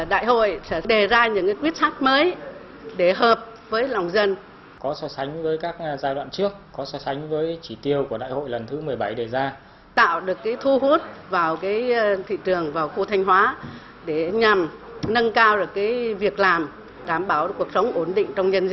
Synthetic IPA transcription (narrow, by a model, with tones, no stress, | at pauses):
ɗa̰ː˧˨jɦo̰˧˨jsɛ̰˧˥ɗe˨˩zaː˧ɲɨ̰˧˥ŋka˨˦kwi˦˥ət̚saː˦˥kt̚məː˨˦j | ɗe˧˩ɦəː˨˩p̚ | vəː˨˦jlwŋ͡mzə˧n | kɔ˨˦sɔ˨˧˦sa˨˦jŋ̟vəː˨˦jkaː˦˥k̚zaː˧jɗwa̰ː˧˨nt͡ɕɨ˦˥ək̚ːɔ˨˦sɔ˨˦sa˨˦jŋ̟vəː˨˦jt͡ɕi˧˩t̪i˧əwku˧˩əɗa̰ː˧˨jho̰˧˨jlə˨˩nt̪ʰɨ˨˦mɨ˨˩əjɓa˧˩jɗe˧˨˩zaː˧ | t̪a̰ː˧˨wɗɨ˨˩əkːaː˨˦jt̪ʰu˧ɦu˦˥t̚vaː˨˩wkaː˨˦jt̪ʰḭ˧˨t͡ɕɨ˨˩əŋvaː˨˩wxu˧t̪ʰa˧jŋ̟ɦwaː˨˦ | ɗe˧˩ɲa˨˩m | nə˧nkaː˧wɗɨ˨˩əkːaː˨˦jvi˨˩ək̚laː˨˩m | ɗaː˨˧˩mɓaː˧˩wku˨˩ək̚sə˨˦wŋ͡mʔo˧˩nɗḭ˧˨ŋ̟t͡ɕɔ˧wŋ͡mɲə˧nz